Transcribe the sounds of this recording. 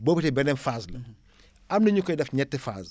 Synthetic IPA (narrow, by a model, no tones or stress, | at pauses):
bɔːbitɛbɛnɛnfaːslɐ | ɐmnɐɲukɔjdɐfɲɛtːefa̰ːs